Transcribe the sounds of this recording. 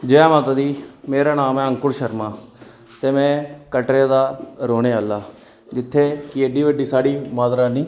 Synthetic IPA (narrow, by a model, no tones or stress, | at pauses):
d͡ʒeɛːmaːt̪ad̪iːmeːɾaːnaːmɛ̃ːə̃ŋkʊɾʃəɾmãː | t̪eːmɛ̃ːkəʈɾed̪aːɾoːneːəlːaː | d͡ʒɪt̪ʰːeːkɪeːɖiːʋəɖiːsaːɽiːmaːd̪ɾaːnĩː